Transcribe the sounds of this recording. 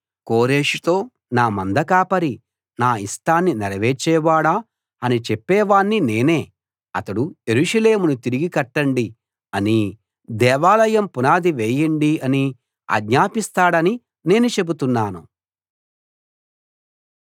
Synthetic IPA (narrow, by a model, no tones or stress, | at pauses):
ko̞ːɾeːʂit̪o̞ː | naːmɐnd̪ɐkaːpɐɾi | naːisʈaːnːinɛɾɐʋeːt͡ʃɛːʋaːɽaː | ɐnit͡ʃepːɛːʋaːɳːine̞ːne̞ː | ɐt̪ɐɽujeɾuʂɐle̞ːmunut̪iɾiɡikɐʈːɐɳɖi | ɐni | d̪ɛːʋaːlɐjɐmpunaːd̪iʋeːjɐɳɖiɐni | ɐ̰ɡɲaːpist̪aːɽɐni | ne̞ːnut͡ʃe̞but̪unːaːnṵ